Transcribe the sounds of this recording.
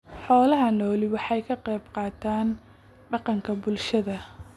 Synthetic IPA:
ħɔːlɐɦɐnɔːlɪwɑħɑjkʰɐqɛjbqɑːt̪ʰaːn | ɖɑqɑŋkʰɐbʊlʃɐðɐ

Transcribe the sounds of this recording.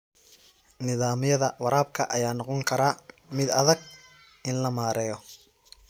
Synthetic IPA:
nɪðaːmɪjɐðɐwɐɾaːbkʰɐʔɐjaːnɔqɔŋkʰɐɾaːmɪd̪ɐðɐɡ̚ | ɪnlɐmaːɾɛːjɔ

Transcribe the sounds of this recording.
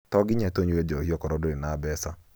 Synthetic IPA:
tɔɡɪɲɛtoɲwed͡ʒɔhiɔkɔɾɔdoinabɛsa

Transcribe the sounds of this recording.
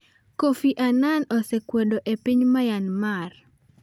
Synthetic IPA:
kofiʔananɔsɛkwedoʔepiɲmajanmar

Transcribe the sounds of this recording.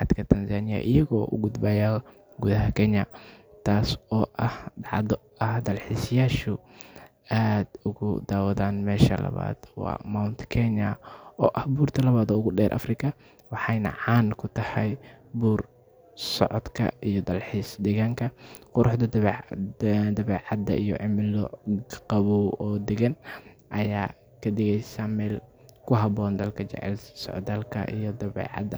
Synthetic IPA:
ħɑd̪kʰɐt̪ʰɐnsaːnɪjɐ̰ʔɪjɐɣɔːʔʊɡʊd̪baːja | ɡuːðɐɦɐkʰɛnɐt̪ʰaːsɔːʔɐhdɑʕðɔ | ɐhd̪ɐlħiːsjaːʃʊ | aːd̪ʊɣʊ̰d̪aːwɐðaːnmɛːʃɐ̰lɐ̰βa̰ːd̪̥wɑ̰ːmawnt̪ʰkʰɛɲɐɔːʔɐhbuːrt̪ʰɐlɐβaːd̪ɔːʊɣʊɖɛːɾʔɐ̰frɪkʰɐ | wɑħɑjnɐ̰ʕɑːnkʰʊt̪ʰɐhɐjbuːr | sɔ̰ʕɔd̪kʰɐ̰ijɔd̪ɐlħiːsd̪ɛɣaːŋkʰɐqʊɾʊħd̪ɐd̪ | d̪ɐβɛːʕɑd̪ɐ̰ʔijɔ̰ʕɪmɪlɔ̰qɑβuɔːd̪ɛɣɐnʔɐjaː | kʰɐd̪ɛɣɛjsaːmɛːlkʰʊɦɐbɔːnd̪ɐlkʰɐt͡ʃɛ̰ʕɛ̰lsɔ̰ʕd̪alkʰɐ̰ʔijɔd̪ɐβɛ̰ːʕɑ̰d̪ɐ

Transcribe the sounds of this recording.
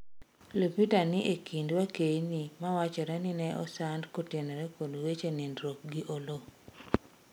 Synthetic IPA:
lopitanɪʔekindwakejnimawat͡ʃɛɾɛnɪnɛɔ̰sandkotenɛɾɛkodwet͡ʃenendɾok̚ɡɪʔolo

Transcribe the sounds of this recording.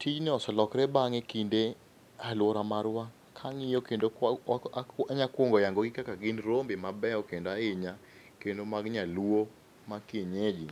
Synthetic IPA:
tid͡ʒnɪɔsɔlɔkɾɛbaŋekinde | alwoɾamaɾwa | kʰaŋɪjɔkendo | aɲakwoŋɡɔjaŋɡoɡɪkakaɡɪnɾombemabɛɔkendoaɪɲa | kendomaɡɲalwo | makeɲed͡ʒi

